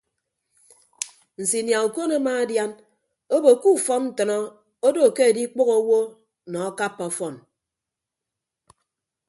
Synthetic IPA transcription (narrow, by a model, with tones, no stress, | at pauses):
n̩˨si˨nja˨u˨ko˦na˦maː˦a˦dja˦n | o˦bo˨ku˦˨fɔ˦nn̩˨tɔ˨nɔ˦ | o˦do˨ke˦e˨di˦k͡po˦ɣo˦wo˦ | nɔ˨a˦ka˦pːɔ˨˦fɔ˦˨n